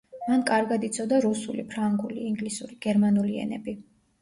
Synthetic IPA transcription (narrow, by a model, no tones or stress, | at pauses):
mankʼaɾɡad̪it̪sʰɔd̪aɾusṵlipʰɾaŋɡulḭːŋɡlisṵɾiɡ̥ɛɾmanuliɛ̰nɛ̰bi